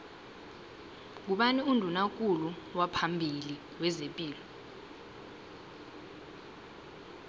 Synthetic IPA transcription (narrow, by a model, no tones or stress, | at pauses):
k̬uɓaniundʱunak̬ʼuluwapʰambʱili | wɛzepʼiːlɔ